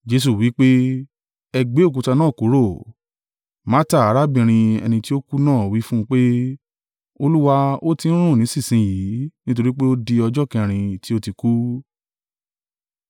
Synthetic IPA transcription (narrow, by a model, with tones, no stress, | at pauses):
d͡ʒe˧˦s̬u˨wi˨˦k͡pe˦ | ɛ˧ɡ͡be˨˦o˦˨k̬u˨˧ta˧nãː˦˨ku˨˦ɾo˦˨ | ma˦ta˦˨a˨˦ɾa˦bĩ˧˨ɾ̃ĩ˧ɛ̰˧nĩ˧ti˦o˦ku˦nãː˦˨wi˨˦fũ˦˧k͡pe˦ | o˧lu˦wa˧o˦tĩ˧˦ɾ̃ũ˦˨nĩ˨˦sĩ˦˨sĩ˧˦ji˨˦nĩ˦t̬o˧ɾi˦k͡pe˦o˦di˧ɔ˧d͡ʒɔ˦kɛ̃˧˨ɾ̃ĩ˧ti˦o˦ti˧ku˦